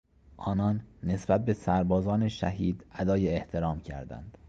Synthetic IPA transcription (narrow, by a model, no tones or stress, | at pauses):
ʔɒːnɒːnːe̞sbæt̪̚be̞sæɾbɒːzɒːneʃæɦiːd̪æd̪ɒːjeːht̪ʰe̞ɾɒːmcʰæ̰ɾd̪æ̰nd̪̥